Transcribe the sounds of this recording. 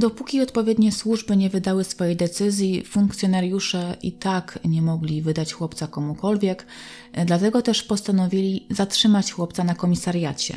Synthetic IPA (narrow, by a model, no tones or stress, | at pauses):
d̪ɔpukʲiɔt̪pɔvʲjɛd̪ɲɛswuʐbɘɲɛvɘd̪awɘsfɔjejd̪ɛt̪sɘzʲjifuŋkt̪sʲjɔnaɾjuʂɛʔḭt̪akɲɛmɔɡlʲivɘd̪at͡ɕxwɔpt̪sakɔmukɔlvʲjɛk | d̪lat̪ɛɡɔt̪ɛʂpɔst̪anɔvʲilʲizatʂɘmat͡ɕxwɔpt̪sanakɔmʲisaɾjat͡ɕɛ̰